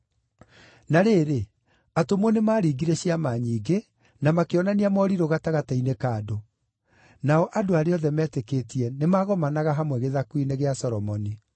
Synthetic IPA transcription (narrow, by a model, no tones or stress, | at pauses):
naɾeːɾe | atomwɔnemaːɾiːɡiɾɛɕiamaɲiːɡe | namakeɔnaniamɔːɾiɾoɣataɣatainekaːdo | naɔʔadoaɾeɔðɛmɛːtekeːtiɛnemaːɣɔmanaɣaɦamwɛɣeðakwineɣeasɔɾɔmɔni